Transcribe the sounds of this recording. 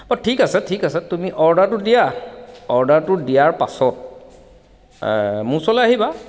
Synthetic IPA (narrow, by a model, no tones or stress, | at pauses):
bɔtʰikasɛtʰikasɛtumiʔɔɹdaɹtʊdijaɔɹdaɹtʊdijaɹpa̰sɔt̚ | musɔlɛaɦiba